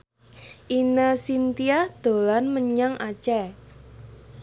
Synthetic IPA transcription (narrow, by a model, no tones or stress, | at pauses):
ʔinasint̪iahd̪̥o̤lanməɲaŋʔḁt͡ʃɛ